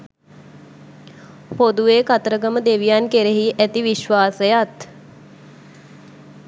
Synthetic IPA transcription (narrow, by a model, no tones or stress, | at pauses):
pod̪uʋeːkat̪əɾəɡəməd̪eʋijankeɾeɦiʔæt̪iʋiʃʋaːsəjat̪